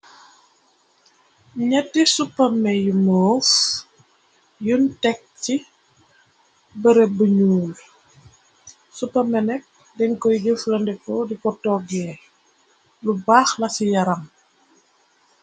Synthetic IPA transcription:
ɲɛtːisupːɐmːɛjumoːf | juntɛk̚ci | bəɾebəɲuːl | supːɐmɛnɛk̚ | dɛŋkɔjɟəflɐndɛkɔdikɔtːɔɡɛ | lubaːxlɐsijɐɾɐŋ

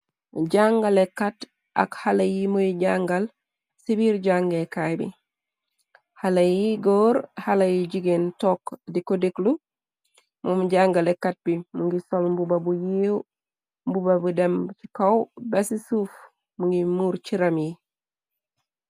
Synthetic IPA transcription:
ɟaŋɡalekːat | ʔa̰khalajimojiɟaŋɡal | sibiɾɟaŋɡekajbḭ | halajiɡoːɾhalajiɟiɡentokdikodiklu | momuɟaŋɡalekːat̚bimuŋɡisombubabujiw | mbubabudemki̥kawbesisuf | muŋɡimuːɾt͡ʃiɾamji

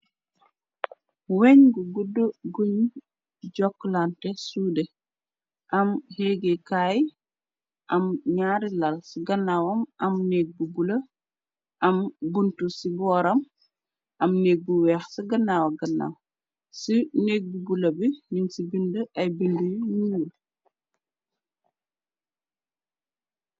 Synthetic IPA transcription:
wɛɲɡuɡudːəɡuɲ | ɟɔkːlantɛsuːdɛ | ʔɐmheɡekaj | ʔɐmɲaːɾilalsiɡɐnːawɐmʔɐmneːk̚bubulɐ | ʔɐmbuntusibɔːɾɐm | ʔɐmneːk̚buwɛːxsiɡɐnawɐɡɐnːa̰w | sineːk̚bubulɐbininsibindəʔɐjbindujɲuwl

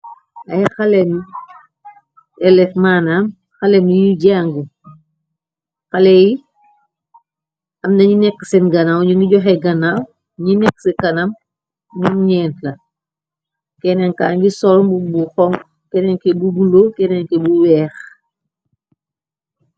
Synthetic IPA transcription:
ɐjxɐlɛm | ɛlɛfmaːnam | xɐlɛmiɟaŋɡu | xɐlɛji | ɐmnɐɲinɛkːsɛnɡɐnawɲuŋiɟɔxɛɡɐnaw | ɲinɛkːsɛkɐnam | ɲumɲɛːntlɐ | kɛnɛŋka̰ːŋɡisɔlmbubuxɔŋ | kɛnɛŋkebubulokɛnɛŋkɛbuwɛːx

